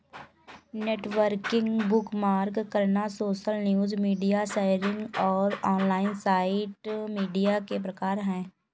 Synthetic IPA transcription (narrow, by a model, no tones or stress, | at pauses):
neːʈʋəɾkɪ̃ŋɡbʊkmaːɾɡkəɾnasoːʃəlnjuːzmiːɖijaʃeːɾɪ̃ŋɡɔːɾɔːnlaːɪnsaːɪʈmiːɖijakep̬ɾɐkaːɾɦɛ̃ː